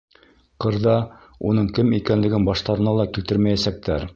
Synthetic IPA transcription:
qɤ̆ɾðɑ | ṵnɤɴkɘmikænlɘ̆ɡɘnbɑʃt̪ɑɾɤ̆nɑlˠɑkilt̪ɘɾmæjæsæk̚t̪æɾ

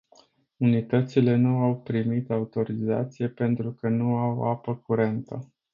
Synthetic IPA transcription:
unit̪ət̪sile̞nuawpɾimit̪aut̪o̞ɾiza̰t̪sije̞pe̞nt̪ɾukənuaw̰apəkuɾe̞nt̪ə̰

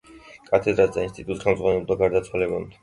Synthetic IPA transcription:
kʼat̪ʰɛd̪ɾasd̪ainst̪ʼit̪ʼut̪χɛlmdzʁwanɛd̪aɡaɾd̪at̪sʰwalɛbɔn

